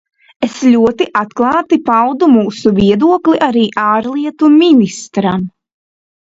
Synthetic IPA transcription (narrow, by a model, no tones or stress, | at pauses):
esʎʲuɔt̪iʔat̪klˠɑːt̪ipawd̪umuːsuviɛd̪uɔklˠiʔaɾiːʔaːɾlˠiɛt̪umʲinist̪ɾam